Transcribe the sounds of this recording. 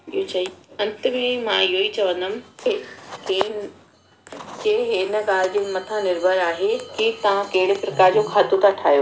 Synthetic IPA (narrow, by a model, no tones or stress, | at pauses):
iɦot͡ɕɐiɐ̃nt̪əmemãiɦoit͡ɕɐʋə̃nd̪əm̆keken | d͡ʑeːɦɪnə̆ɡaːld͡ʑɪmɐt̪ʰãnɪɾbʱəɾaːɦekit̪ɐʋãkɐɦɪɽɪpɾɐkaːɾd͡ʑokʰaːt̪ũt̪ʰaʈʰaːjoː